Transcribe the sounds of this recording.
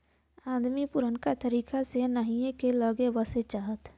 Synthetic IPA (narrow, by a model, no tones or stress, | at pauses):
aːd̪mipʊɾənkat̪əɾiːkasenaːɦiekeləɡeʋəset͡ʃaːɦət̪